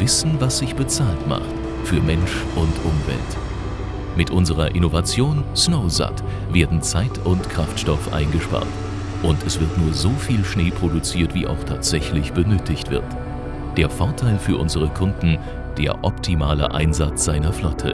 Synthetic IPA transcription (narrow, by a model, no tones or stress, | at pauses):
v̥ɪsn̩vasz̥ɪçb̥ət͡saːltma̰χt | fyːɐmɛnʃ | ʔʊntʔʊmvɛ̰lt | mɪtʔʊnzəʁɐʔɪnovat͡sjoːnsnoʊza̰t | v̥eːɐdn̩t͡saɪtʰʊntkʁ̥aftʃtɔfʔa̰ɪnɡəʃpa̰ːɐt | ʔʊntɛsv̥ɪɐtnuːɐzoːfiːlʃneːpʁ̥odut͡siːɐtv̥ḭːʔa̰ʊxtʰaːtz̥ɛçlɪçb̥ənøːtʰɪçtv̥ɪ̰ɐt | d̥eːɐfɔɐtʰaɪlfyːɐʔʊnzəʁ̞əkʰʊndn̩ | d̥eːɐʔɔptʰimaːlə̰ʔa̰ɪnzat͡sz̥aɪnɐflɔtʰə̰